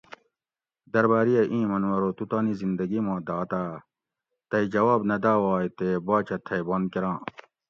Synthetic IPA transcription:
d̪ɐɾbaːɾijɐʔĩːmɐnwɐɾoːt̪ut̪aːnizind̪ɐɡimãːd̪aːt̪aː | t̪ɐid͡ʑɐwaːbnɐd̪aːwaːjt̪ebaːt͡ɕʰɐt̪ʰɐjbɐːnkeɾãː

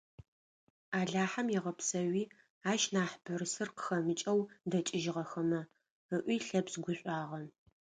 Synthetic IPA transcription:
aːɮaːħamjɛʁɐpsɐwiː | aːʃnaːħbɨrsɨrqə̥xɐmɨt͡ʃʼɐwdɐt͡ʃʼɪʒɪʁɐxɐmɐ | əʔʷiːɬɐbsɡʷʊɕʷʼaːʁɐn

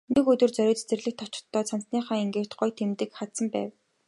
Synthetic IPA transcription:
nekɵt̪ɵ̆rt͡sœɾʲʊːt͡ɕt͡sĕrɮɘ̆k̚t̪ʰɔt͡ɕɪ̥̆t̪ʰːɔːt͡sʰan̥tniːχaːŋeŋɡeːkt̪ɢʊjt̪ʰemt̪ɘ̆kχat̪sə̆mpæ̰ːw

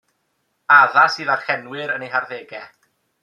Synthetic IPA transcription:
aðasiːðarχɛnwɪɾənejɦarðeːɡɛ

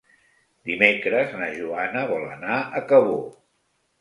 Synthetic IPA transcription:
d̪imekɾəznəʒuanəβɔlə̰naəkəβo

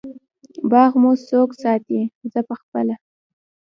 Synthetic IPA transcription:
bɑɣmosoksɑt̪izəpəxpəla

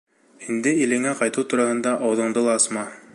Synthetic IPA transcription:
ind̪ɘilɘ̆ŋæqɑjt̪ɤwt̪uɾɑhɤ̆nd̪ɑʔɑwðɤ̆ɴd̪ɤlˠɑɑsmɑ

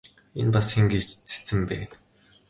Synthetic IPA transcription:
ḛnpasxiŋɡiːt͡ɕt͡sʰe̥t͡sɘ̆mpæːn

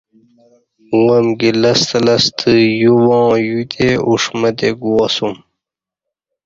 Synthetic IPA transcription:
wɐmɡilɐst̪ɐlɐst̪ʰəjuwɑ̃ːjud̪euʂmɐd̪eɡuɐsum

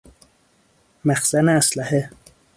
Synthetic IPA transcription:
mæxsæneæslæhe

